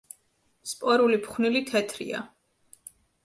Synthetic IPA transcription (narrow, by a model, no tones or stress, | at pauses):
spʼɔɾulipχnilit̪ʰɛt̪ʰɾḭa̰